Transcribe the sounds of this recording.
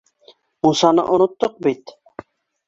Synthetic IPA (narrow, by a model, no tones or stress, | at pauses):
musanə̰ʔonut̪ːoq̚bit̪